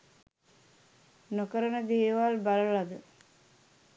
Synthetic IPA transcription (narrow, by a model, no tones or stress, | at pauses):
nokəɾənəd̪eːʋalbaləɭad̪ə